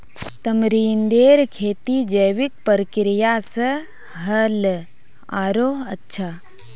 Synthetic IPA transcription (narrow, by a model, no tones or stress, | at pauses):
t̪ɐmɾiːnd̪eːɾkʰeːt̪iːd͡ʒɐjʋik̚pəɾkɾijaːsɐ | ɦɐl | aːɾoːɐtːʃʰaː